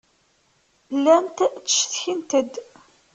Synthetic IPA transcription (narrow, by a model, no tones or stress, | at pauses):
lːænt̪t͡sːə̥ʃθçint̪əd̪